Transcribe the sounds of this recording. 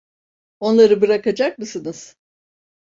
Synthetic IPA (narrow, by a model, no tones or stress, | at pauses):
o̞nlˠaɾɯbɯɾakad͡ʒak̚mɯsɯnɯz̥